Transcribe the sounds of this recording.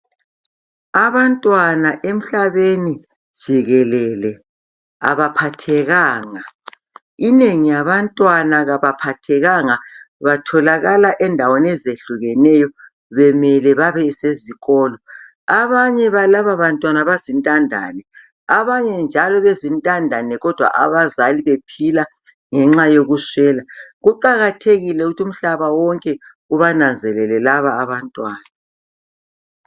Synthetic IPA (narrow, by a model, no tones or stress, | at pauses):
aβantʼwanaʔem̩ɬaβeni | d̥ʒ̥ʱiɣɛlɛlɛ | a̰βapʰatʰɛɣaːŋa | ineŋijaβantʼwanaɣaβapʰatʰɛɣaŋa | βatʰɔlaɣalaʔɛndʱawɔnɛzeɬuɣɛnɛjɔ | βɛmɛlɛβaβɛiseziɣɔːlɔ | aβaɲɛβalaβaβantʼwanaβazintʼandʱa̰nɛ | aβaɲɛnd͡ʒʱalɔβezintʼandʱanɛɣɔd̥ʱwa̰ʔa̰βazaliβepʰila | ŋɛŋ͡ǁajoɣusɛːlaɣuǃaɣatʰeɣilɛuɣutʰum̩ɬaβawɔŋkʼɛ | uβanand͡zʱɛlɛlɛlaβaːβantʼwaːna